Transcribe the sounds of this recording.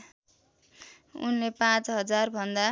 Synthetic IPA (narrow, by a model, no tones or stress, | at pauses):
ṵnlepãt͡sɦʌd͡zarbʱʌnd̪a